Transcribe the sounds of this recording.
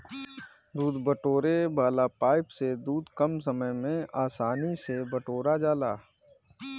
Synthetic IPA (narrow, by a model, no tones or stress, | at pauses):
d̪uːd̪bəʈoːɾebaːlapaːɪpsed̪uːd̪kəmsəməjmẽaːsaːnisebəʈoːɾad͡ʒaːlaː